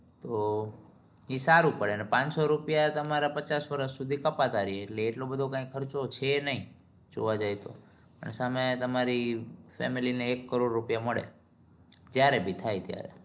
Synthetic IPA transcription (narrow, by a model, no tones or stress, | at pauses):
t̪o | isaɾũpəɭenepãɲt͡ʃsoɾupjat̪əmaɾapət͡ʃasʋəɾəssud̪ʱikəpat̪aɾieːʈleːʈlobəd̪ʱokãĩkkʰəɾt͡ʃot͡ʃʰenəɦĩ | d͡ʒo̰ʋad͡ʒajt̪o̰pə̰ɳsamet̪əmaɾifɛ̰milineːkːəɾoɖːupjaməɭḛ | d͡ʒjaɾebʱit̪ʰajt̪ja̰ɾḛ